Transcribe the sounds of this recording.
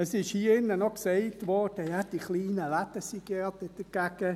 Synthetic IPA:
əsɪʃhiːɪnːənɔksɛɪtʋɔɾd̥əjad̥iχliːnəlat̪əsiɡ̥ɛtɛd̥̪əɡ̥aɡ̥ə

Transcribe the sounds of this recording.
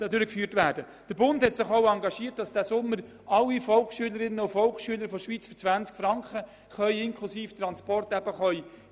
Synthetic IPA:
dʏɾəkfyːrtʋæːɾd̥ə | d̥əɾbʊndhɛtsɪχoʊɑŋɡɑʃiːət̚d̥ɑsd̥æːsʊmːəɾ | ɑlːifɔlkʃyːələɾɪnəʊfɔlχʃyələɾfɔʃʋiːt͡sfɔt͡sʋænt͡skfɾɑŋkχə | χœʏɪŋkʰlusiːft̪ɾɑnspɔrtæb̥əχœʏ

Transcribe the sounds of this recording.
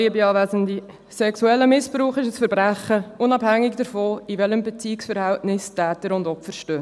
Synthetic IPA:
iəbiɑːvæzəndi | sɛksuɛlːəmɪspɾuːχɪʃəsfəɾbɾæχəʊnɑbhæŋːɪkd̥əɾfɔːivɛləmbɛt͡siːksfəɾhæltnɪstæːtəɾʊndɔpfəɾʃtøː

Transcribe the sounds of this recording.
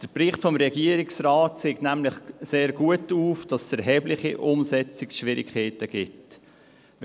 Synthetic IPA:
d̥əɾpɾɪχtfɔmɾɛɡiəɾɪksraːtseːknæmlɪχseːɾɡuətuːfd̥ɑssɛɾɦɛːblɪχḭʔʊmsɛt͡sɪkʃʋɪɾḭkχɛːtəɡ̥ɪt

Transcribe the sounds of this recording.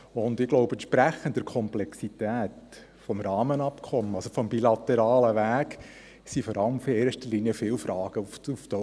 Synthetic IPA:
ʊndɪɡlɔʊbɛntt͡ʃpɾæχəndəɾkʰɔmplɛksit̪æːt | fɔmɾɑːmənɑpkʰɔməɑlsofɔmbilɑt̪ɛɾɑːləʋæːk | sifɔɾɑləmfeːʃtəɾliniəfɪːlfɾɑːɡ̥əuuftɔ

